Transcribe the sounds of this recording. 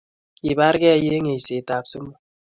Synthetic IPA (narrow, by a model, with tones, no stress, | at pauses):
i˨ba˦ɾɡɛ˦je˦ŋe˨jse˨ta˨psɨ˦mo˨